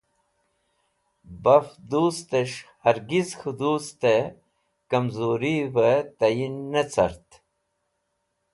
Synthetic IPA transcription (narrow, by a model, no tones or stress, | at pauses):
bɐfd̪uːst̪eʂhɐɾɡizxʰud̪uːst̪e | kɐmzuːɾivɐt̪ɐjinːɐt͡sʰɐ̰ɾt̪